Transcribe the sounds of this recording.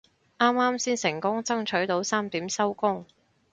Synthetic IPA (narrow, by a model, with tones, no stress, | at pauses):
ʔaː˥maː˥msiː˥nsɪ˨˩ŋkʊ˥ŋt͡sɐ˥ŋt͡ʃʰɵ˨˥ɥt̪o˨˥wsaː˥mt̪iː˨˥msɐ˥wkʊ˥ŋ